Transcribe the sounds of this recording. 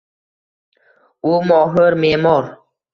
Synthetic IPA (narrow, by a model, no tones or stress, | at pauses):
umɔɦəɾmeːmɔɾ